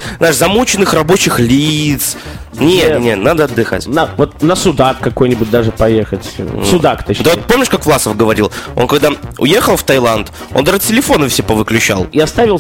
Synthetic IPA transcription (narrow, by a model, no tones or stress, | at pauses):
znaɪʂzɐmut͡ɕɪnːɨxrɐbo̞t͡ɕɪxlʲit̪s | nʲenʲnʲet̪nad̪əɐd̪ːɨxa̰tʲnəvot̪̚nəsʊd̪at̪kɐko̞jnʲɪbʊt̚ʲd̪aʐɨpɐjexətʲsʊd̪akt̪od̪əavot̪po̞mʲnʲɪʂkakvlˠasəfɡəvɐɾʲilˠo̞̰nkɐɡd̪aʊ̰je̞xəlˠft̪ɐjlˠant̪ | ond̪aʐɨtʲɪlʲɪfo̞nəfsʲepəvɨklʲʉt͡ɕa̰lˠɪɐst̪avʲɪlˠ